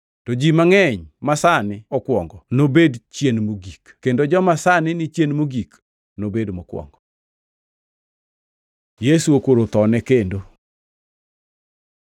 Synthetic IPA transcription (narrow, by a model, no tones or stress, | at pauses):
tɔd͡ʒimaŋɛɲmasanɪɔkwɔŋɡɔnobedt͡ʃjenmoɡikkendod͡ʒɔmasanɪnɪt͡ʃjenmoɡik | nobedmɔkwɔ̰ŋɡɔ | jesuokoɾot̪ɔnɛkendo